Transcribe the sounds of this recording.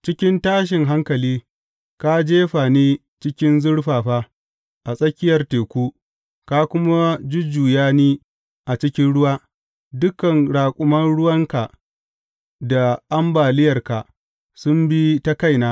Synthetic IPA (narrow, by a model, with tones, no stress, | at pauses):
t͡ʃɪ˦kʲɪ˦ntaː˦ʃ̬ɪ˨ŋɦa˦ŋkɐ˨liː˦ | ka˦d͡ʒeː˦ɸaː˨neː˦ | t͡ʃɪ˦kʲɪ˦nzʊ˦ɽɸaː˨ɸaː˦ | ʔa˨sʼɐ˦kʲɪ˦jɐ˨rteː˨kʷuː˦ | ka˦kʷʊ˦ma˦d͡ʒʊ˦d͡ʒuː˨jaː˦niː˦ | ʔa˨t͡ʃɪ˦kʲɪ˦nɽʊ˦waː˦ | dʊ˦kɐ˨ŋɽaː˨kʷʼʊ˨mɐ˦nɽʊ˦wɐ˦ŋka˨ | da˨ʔa˦mbaː˨lɪ˦jɐ˨rka˨ʔ | sʊ˦mbi˦ta˦ka˦˨jnaː˦